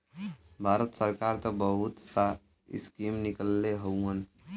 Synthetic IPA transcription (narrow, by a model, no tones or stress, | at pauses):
bʱaːɾət̪səɾkaɾt̪əbəɦʊt̪sa | ɪ̰skimnɪkəlːeɦəuɦən